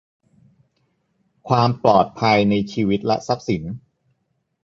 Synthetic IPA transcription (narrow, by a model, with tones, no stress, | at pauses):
kʰwaː˧mplɔː˨˩t̪̚pʰa˧jna˧jt͡ɕʰiː˧wi˦˥t̪̚lɛ˦˥sa˦˥p̚si˩˦n